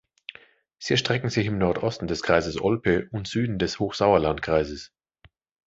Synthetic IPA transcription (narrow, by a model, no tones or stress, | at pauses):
z̥iːɛɐʃtʁ̥ɛkŋ̩zɪçɪmnɔɐtʔɔstn̩dɛskʁ̥aɪzəsʔɔlpəʔʊntz̥yːdn̩dɛshoːxz̥aʊɐlantkʁ̥aɪzəs